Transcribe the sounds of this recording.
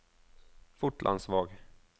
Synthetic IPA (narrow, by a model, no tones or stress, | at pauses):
fʊʈlʔa̰nd̪svɑːɡ